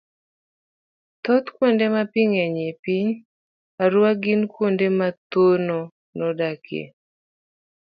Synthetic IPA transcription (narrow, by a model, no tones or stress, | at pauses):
t̪ɔt̪kwondemapiŋeɲepiɲ | aɾwaɡinkwondemat̪onɔ | nɔdakḛ